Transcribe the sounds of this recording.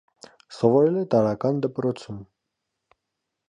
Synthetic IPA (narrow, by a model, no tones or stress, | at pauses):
sɔvɔɾɛlɛt̪ɑɾɑkɑnd̪əpɾɔt͡sʰum